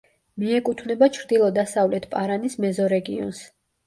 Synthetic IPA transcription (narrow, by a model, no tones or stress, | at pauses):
miɛkʼut̪ʰvnɛbat͡ʃʰɾd̪ilˠɔd̪asavlɛt̪ʰpʼaɾanismɛzɔɾɛɡiɔ̰ns